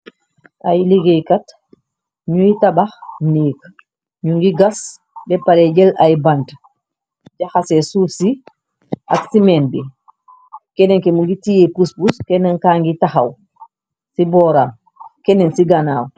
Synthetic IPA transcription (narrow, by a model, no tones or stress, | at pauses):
ʔajliɡejkat | ɲujitabaxniːk | ɲuŋɡiɡas | bɛpalɛɟɛlajbant | ɟaxasɛsuːfsi | ʔaksimɛnbi | kɛnɛŋkɛmuŋɡitijɛpuspuskɛnɛŋkaːŋɡitaxaw | sibɔːɾa | kɛnɛnsiɡanaːw